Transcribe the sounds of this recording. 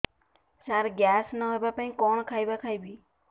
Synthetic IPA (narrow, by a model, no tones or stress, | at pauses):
saɾɡjasnaɦojbapaĩkɔñkʰajbakʰajbi